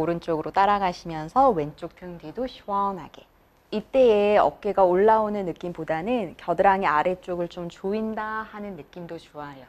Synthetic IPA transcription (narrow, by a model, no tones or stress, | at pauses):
oɾɯnt͡ɕ͈oɡɯɾot͈aɾaɡaɕʰimjʌnsʰʌwe̞nt͡ɕ͈ok̚tʰɯŋdidoɕʰiwʌnɦa̰ɡe̞ | it͈e̞eʌ̰k̚k͈e̞ɡaoɭːaonɯnːɯk͈impodanɯnkjʌdɯɾaŋeaɾe̞t͡ɕ͈oɡɯɭt͡ɕ͈omt͡ɕoindahanɯnːɯk͈̚imdot͡ɕuajo